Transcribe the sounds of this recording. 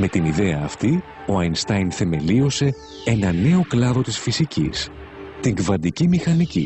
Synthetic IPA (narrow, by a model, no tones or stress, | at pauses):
me̞t̪iniðe̞ɐːft̪i | o̞ɐjnst̪ɐjnθe̞me̞lio̞se̞ | e̞nɐne̞o̞klɐðo̞t̪isfisicḭs | t̪iŋɡvɐnd̪icimixɐnicḭ